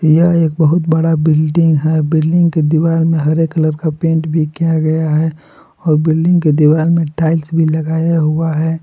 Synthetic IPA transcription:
jɐeːk̚bəɦʊt̪bəɽabɪlɖɪ̃ŋɡɦɛbɪlɖɪ̃ŋɡked̪iɪwaːlmẽɦɐɾeːkːələɾkapẽːɳʈbʱikijaɡɐjaɦɛ | ɔːɾbɪlɖɪ̃ŋɡked̪iwaːlmẽʈaːɪlsbʱilɐɡaːjaɦuaɦɛː

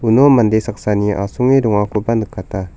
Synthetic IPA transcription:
unomandesaksaniʔasuŋeduŋakubandəkːat̪a

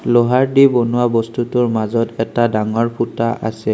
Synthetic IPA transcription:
lɔɦaɹdibɔnʊwabɔstutʊɹmazɔtɛtadaŋɔɹpʰutaʔa̰sɛ

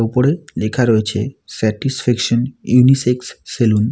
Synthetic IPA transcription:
upoɾelekʰaɾoet͡ɕʰḛsɛʈisfɛkʃonjuniseksːelun

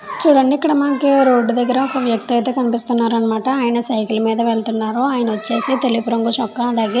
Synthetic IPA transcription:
t͡ʃuɽɐɳɖikɐɽɐmaːkeɾoːɖːud̪ɐɡɐɾɐkɐʋjɐkt̪it̪ekɐnipist̪ɐnːaːɾɐnːɐmaːʈɐaːjɐnɐsɐjkilmeːd̪ɐʋeɭt̪inːaːɾoaːjɐnɐot͡ʃːeːsit̪elipuɾɐŋɡuʃɔkːɐːd̪aːɡi

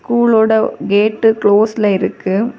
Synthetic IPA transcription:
kuːɭoːɽɐɡeːʈːɯkɭoːsɪlɐɪɾɯkːɯ

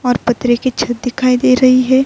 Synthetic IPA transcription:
ɔːɾpɐt̪ɾeket͡ʃʰɐt̪̚d̪ɪkʰaːid̪eːɾɐɦiɦɛː

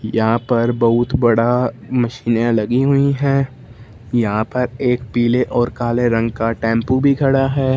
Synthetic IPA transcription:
jɐɦãpɐɾbɐɦʊt̪bɐɽamɐʃiːnjãlɐɡiɦʊiɦɛ̃ː | jɐɦãpɐɾeːkpiːleʔɔːɾkaːleɾɐ̃ŋɡkaʈɛ̃ːmpubʱiɡʰʱɐɽaɦɛː

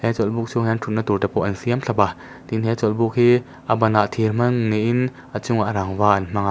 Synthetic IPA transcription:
hɛt͡sɔlbuk̚t͡sʰuhɛantʰut̚nat̪urtapɔʔɐnsiamɬʰɐpa | t̪inɦɛt͡sɔlbuk̚hi | ʔabɐnaʔt̪ʰiɾm̥ɐŋːiʔin | ʔat͡suŋaʔɾaŋvaʔɐnm̥ɐŋa

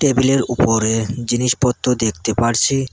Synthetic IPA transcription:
ʈebileɾupoɾed͡ʑiniʃpɔt̪ːod̪ekʰt̪epaɾt͡ɕʰi

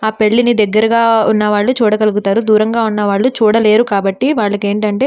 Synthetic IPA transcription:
aːpe̞ɭːinid̪ɛɡːɐɾɐɡaːunːɐʋaːɭːut͡ʃuːɽɐkɐluɡut̪aːɾud̪uːɾɐŋɡaːunːɐʋaːɭːut͡ʃuːɽɐle̞ːɾukaːbɐʈːiʋaːɭːɐke̞ːɳʈɐɳʈe̞ː

